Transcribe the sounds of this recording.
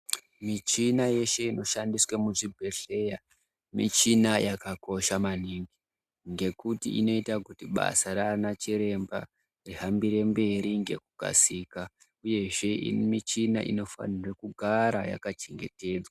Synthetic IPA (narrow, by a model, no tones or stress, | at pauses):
mit͡ʃinaje̞ʃe̞ino̞ʃandiswamuʐibʱe̞ɬe̞ja | mḭt͡ʃinajʔakako̞ʃamaniːŋɡi | ŋɡe̞kutḭḭno̞itakutiɓa̰saɾanat͡ʃiɾe̞mba̰ | riɦambiɾe̞mbe̞ɾiŋɡe̞̰kuɡʱa̰sika | uje̞ʐe̞ḭmit͡ʃina̰ʔḭno̞fa̰nirekuɡʱaɾaja̰kat͡ʃeŋɡe̞te̞ːd͡zwa